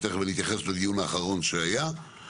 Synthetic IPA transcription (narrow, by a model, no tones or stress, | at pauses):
t̪eχvelit̪jaχesled̪ijunaːχaʁo̞nʃeaja